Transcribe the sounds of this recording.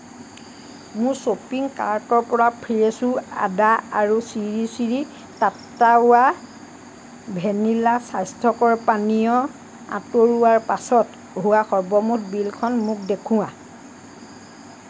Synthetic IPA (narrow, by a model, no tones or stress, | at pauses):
mʊɹsopiŋkaɹtɔɹpɔɹapʰɹijesua̰daaɹusiɹisiɹi | tatːaʊa | bʱenilasajstʰɔkɔɹpanijɔ | a̰toɹuwaɹpasɔt | ɦuwaxɔɹbɔmutbilkʰɔnmʊk̚dekʰʊ̃wa